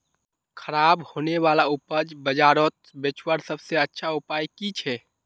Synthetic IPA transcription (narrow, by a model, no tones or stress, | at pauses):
kʰəɾabhoneʋalaupəd͡ʒbəd͡ʒaɾot̪̚bet͡ʃwəɾsəbseətːʃʰaupajkit͡ʃʰɛ